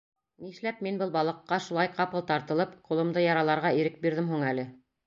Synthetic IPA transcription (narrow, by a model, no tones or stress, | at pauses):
niʃlæp̚minbɤlˠbɑlˠɤ̆qːɑʃulˠɑjqɑpɤlˠt̪ɑɾt̪ɤ̆lˠɤpqulˠɤ̆md̪ɤjɑɾɑlˠɑɾʁɑiɾɘk̚biɾðɘmɦuɴælɘ